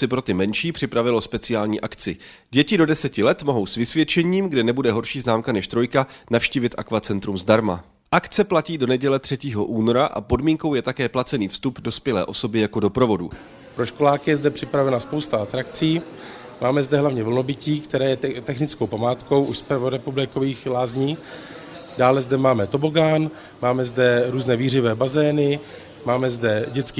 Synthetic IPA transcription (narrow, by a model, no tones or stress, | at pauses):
sɪpɾo̞t̪ɪmɛnʃiːpr̝̥ɪpɾavɪlo̞spɛt͡sɪjaːlɲiːʔakt͡sɪɟɛcɪdo̞dɛsɛcɪlɛt̪mo̞ɦo̞wsvɪsvjɛt͡ʃɛɲiːmɡdɛnɛbudɛɦo̞ɾʃiːznaːmkanɛʃt̪ɾo̞jkanafʃciːvɪt̪ʔa̰kvat͡sɛnt̪ɾumzdaɾma | ʔakt͡sɛplaciːdo̞nɛɟɛlɛt̪r̝̥ɛciːɦo̞ʔuːno̞ɾaʔa̰po̞dmiːŋkowjɛt̪akɛːplat͡sɛniːfst̪updo̞spjɛlɛ̰ːʔo̞so̞bɪjako̞do̞pɾo̞vo̞dṵ | pɾoʃko̞laːkɪjɛzdɛpr̝̥ɪpɾavɛnaspowst̪aat̪ɾakt͡siː | maːmɛzdɛɦlavɲɛvlno̞bɪciːkt̪ɛɾɛːjɛt̪ɛxnɪt͡sko̞wpamaːt̪ko̞wʔuʃspvoɾɛpublɪkoviːxlaːzɲiː | daːlɛzdɛmaːmɛt̪o̞boɡaːn | maːmɛzdɛɾuːznɛːviːr̝ɪvɛːbazɛːnɪ | maːmɛzdɛɟɛt͡ski